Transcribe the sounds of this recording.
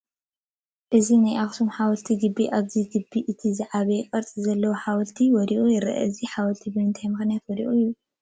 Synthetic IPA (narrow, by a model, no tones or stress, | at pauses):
ʔɨzinajʔaxsʰomħawɐlt̪ʰiɡɨbːiʔaβziɡɨbːiʔɨt̪ʰizɨʕaβɐjkʼɐɾt͡sʼizɐlːɐwoħawɐlt̪ʰiwɔɾiʔujɪɾɐ̰ʔɐ̰ɨziħawɐlt̪ʰibɔjnt̪ʰajmɨxɨnjat̪wɔɾḭʔujːu